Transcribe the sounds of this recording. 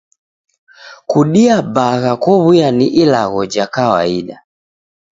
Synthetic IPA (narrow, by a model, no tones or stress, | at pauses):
kuɗiabaɣakɔβujaniʔilaɣɔd͡ʒakawa̰iɗa